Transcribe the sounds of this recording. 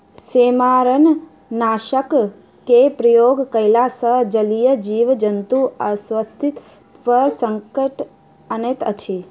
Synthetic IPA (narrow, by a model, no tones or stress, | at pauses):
seːmaːɾən | naːʃək | kepɾɐjoːɡkəjlasəɦd͡ʒəlijəd͡ʒiːʋd͡ʒənt̪uəsʋəst̪ʰit̪ | ʋəɾsəŋkəʈ | ənet̪ət͡ʃʰi